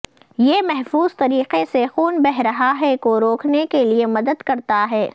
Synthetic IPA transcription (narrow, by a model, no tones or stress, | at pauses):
jemɛɦfuːz̥t̪ɐɾiːqesexuːnbɛɦɾɐɦaɦɛkoɾoːkʰnekeliemɐd̪əd̪kɐɾt̪aɦɛː